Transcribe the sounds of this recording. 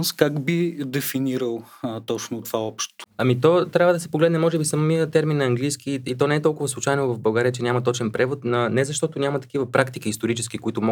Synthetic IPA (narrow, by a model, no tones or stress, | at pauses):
skakbid̪ɛfiniɾəlˠt̪ɔt͡ʃnot̪ovaɔpʃt̪ʊ̥ɐmit̪ɔt̪ɾʲavəd̪ɐsɛpoɡlɛd̪nɛmɔʒɛbisɐmiət̪ɛɾminːɐɐŋɡlijskiːt̪ɔnɛɛt̪ɔlˠkʊvəslˠut͡ʃajnʊvɐvbɐlˠɡaɾiət͡ʃɛnʲamɐt̪ɔt͡ʃɛnpɾɛvot̪nɐnɛzɐʃt̪ɔt̪ʊnʲamɐt̪ɐ̥kivəpɾʔakt̪ik̟iːst̪oɾit͡ʃɛskikʊit̪ʊmɔ